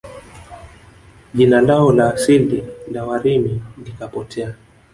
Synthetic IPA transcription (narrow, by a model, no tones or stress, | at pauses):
ʄinandaɔlaːsildinawaɾimilikapɔtʰɛa